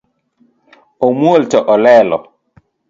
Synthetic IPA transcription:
ɔmuoltɔʔɔlɛːlɔ̰

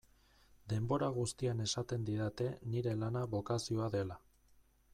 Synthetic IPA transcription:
d̪e̞mbo̞ɾaɣ̞ust̪iane̞sat̪e̞nd̪iðat̪e̞niɾe̞lanaβo̞kasio̞aðe̞la

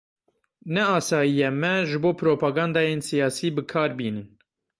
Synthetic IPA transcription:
nɛɑːsɑːjijɛmɛʒɨboːpʰɾoːpʰɑːɡɑːnd̪ɑːjeːnsijɑːsiːbɨkʰɑːɾbiːnɨn

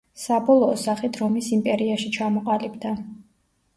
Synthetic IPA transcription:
sabɔlˠɔːsaχit̪ʰɾɔmisimpʼɛɾiaʃit͡ʃʰamɔqʼalibd̪a

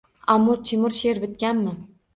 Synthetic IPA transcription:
amːʊɾt̪ʰimʊɾʃeɾbɪt̪̚kʲanmɪ

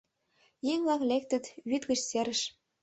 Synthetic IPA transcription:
jiŋvɑklek̚t̪ə̆t̪βyt̪ɣə̆t͡ɕseɾə̆ʃ

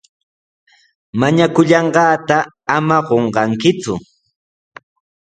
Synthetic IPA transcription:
maɲakʊʎɑɴɢɑːt̪a | amaɢoɴɢɑŋkɪt͡sʊ

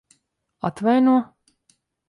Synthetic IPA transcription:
at̪vajnuɔ

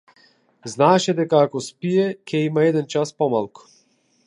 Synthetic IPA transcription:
znaɛʃɛd̪ɛkaːkɔspiɛcʲɛimaɛd̪ɛnt͡ʃaspɔmalˠku̥

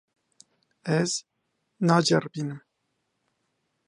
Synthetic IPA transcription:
ɛz | nɑːd͡ʒɛɾbiːnɨm

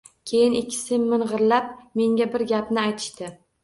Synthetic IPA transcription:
kʲʰe̞jɪnɪkʲʰːɪ̥sɪmːɪnʁɨɾlap̚me̞ŋɡʲabɪɾɡʲapnɪajt̪ʰɪ̥ʃt̪ɪ

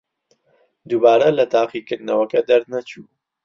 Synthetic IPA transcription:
d̪ubaːɾɐlɐt̪ʰaːqikɨɾd̪nɐwɐkɐd̪ɐɾd̪nɐt͡ʃʰuː

